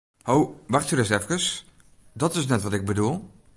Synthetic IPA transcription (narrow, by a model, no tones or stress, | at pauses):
howʋɑχtyɾɪsɛfkəs | dɔtɪs̬nɛtʋɑtɪɡ̚bədulˠ